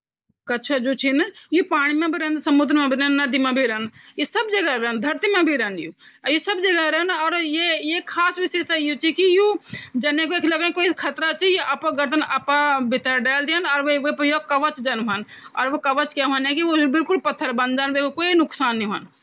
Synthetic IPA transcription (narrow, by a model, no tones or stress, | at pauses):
kɐt͡ʃʰad͡ʒoːt͡ʃʰinjupaːɽ̃imẽbʱiɾɛnd̪sɐmʊd̪ɾmãbʱiɾɛnːɐd̪imãbʱiɾənjesəbd͡ʒəɡaɾənd̪ʱɐɾt̪imãbʱiɾɛnju | josəbd͡ʒəɡaɾɛnɔːɾjejekʰaːsʋɪʃeːsɛjut͡ʃʰikijud͡ʒɐnẽkoeːkʰləɡẽkoːikʰət̪ɾat͡ʃijoʔapaɡəɾt̪ənɐpãbɪt̪əɾɖɛːld̪iənɔːɾʋeʋejokɐʋət͡ʃd͡ʒɐnɦənɔːɾʋokɐʋət͡ʃkjaːɦoanɛ̃kiʋobɪlkʊlpɐt̪ʰːəɾbɐnd͡ʒaːnʋekokoːinʊksaːnːĩɦən